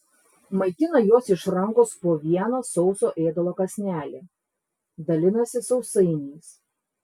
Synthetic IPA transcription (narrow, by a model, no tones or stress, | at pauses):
mɐɪt̪ʲɪnɐjoːsɪʃɾɐŋkoːspoːʋʲiɛnoːsɒʊsoːʔeːd̪ɐlˠoːkɐsʲnʲæːlʲeː | d̪ɐlʲɪnɐsʲɪsɒʊsɐɪnʲiːs